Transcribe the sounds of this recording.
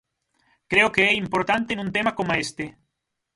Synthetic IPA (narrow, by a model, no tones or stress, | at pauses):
kɾeokeɛimpoɾt̪ant̪enũnt̪emakomaest̪e